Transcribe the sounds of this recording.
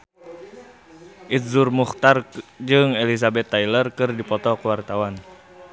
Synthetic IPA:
ʔit̪̚zurmuxt̪ard͡ʒɨŋelis̬abɛt̪ːajlərkɨrdipɔt̪ɔkəwart̪awan

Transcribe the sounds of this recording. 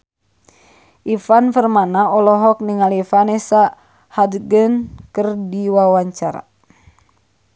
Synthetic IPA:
ʔifanfərmanaɔlɔɦɔk̚niŋalifanɛsa | hadɡənkərdiwawaɲt͡ʃaɾa̰

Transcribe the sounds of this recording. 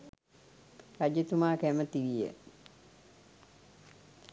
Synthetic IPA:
ɾad͡ʒət̪umaːkæmət̪iʋijə̰

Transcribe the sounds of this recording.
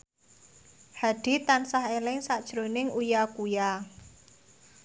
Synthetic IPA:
haɖ̥i̤t̪ansaɦelɪŋsaʔd̥ʒ̥ɾonɪŋujakuja

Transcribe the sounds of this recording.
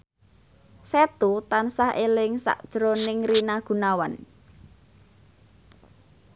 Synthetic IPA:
set̪ut̪ansaɦelɪŋsa̰ʔd̥ʒ̥ɾonɪŋrinaɡ̥ṳnawan

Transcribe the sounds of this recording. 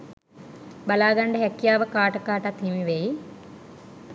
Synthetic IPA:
balaːɡaɳɖəɦɛkːjaːʋəkaːʈəkaːʈat̪himiʋeji

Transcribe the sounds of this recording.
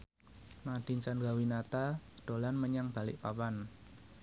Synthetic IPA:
maɖ̥ɪ̤nt͡ʃandɾawinat̪aɖ̪̥o̤lanməɲaŋb̥a̤lɪ̰ʔpapan

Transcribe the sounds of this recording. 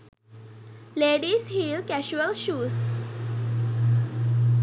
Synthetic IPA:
leɽiːsɦiːlkæɕuəlɕuːs

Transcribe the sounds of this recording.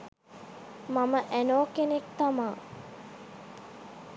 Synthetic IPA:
maməʔænoːkenekt̪amaː

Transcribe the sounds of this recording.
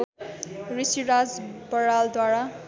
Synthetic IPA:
risiɾad͡zbʌɾald̪waɽa

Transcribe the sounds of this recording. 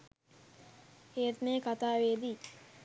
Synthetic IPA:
heːt̪neːkat̪aːʋeːd̪i

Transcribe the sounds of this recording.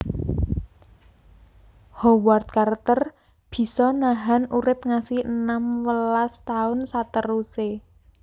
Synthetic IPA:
howart̪̚kart̪ər | b̥i̤sɔnaɦanuɾɪp̚ŋasɪhənamwəlast̪aʊnsat̪əruse

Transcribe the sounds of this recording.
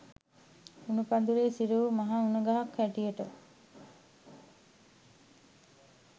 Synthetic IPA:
unupand̪uɾeːsiɾəʋumaɦaunəɡaɦakʋæʈijəʈə

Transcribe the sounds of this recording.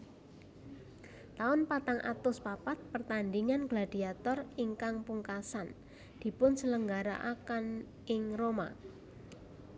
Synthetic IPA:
t̪aʊnpat̪aŋʔa̰t̪ʊspapat̪̚pərt̪and̪iŋanɡlad̪̥i̤at̪ɔriŋkaŋpuŋkasan | d̪̥i̤pʊnsələŋɡaɾa̰ʔakan | ɪŋroma̰

